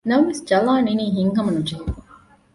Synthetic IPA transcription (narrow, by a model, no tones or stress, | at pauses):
nɐmʋesd͡ʒɐlaːniniːɦiŋɦɐmɐnud͡ʒe